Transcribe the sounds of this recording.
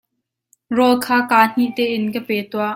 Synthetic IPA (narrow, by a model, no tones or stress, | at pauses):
rɔlkʰaːkaːn̥iʔt̪ɛːʔɪnkəpɛːt̪uaʔ